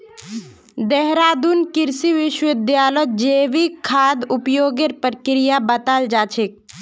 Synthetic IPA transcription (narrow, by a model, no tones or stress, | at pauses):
d̪ɛɦɾaːd̪unkɪɾsiʋɪʃwɪd̪jaːlɔd͡ʒeːʋikʰːaːd̪ʊpjoːɡeɾpəɾkɾɪjabɐt̪ald͡ʒaːt͡ʃʰek̚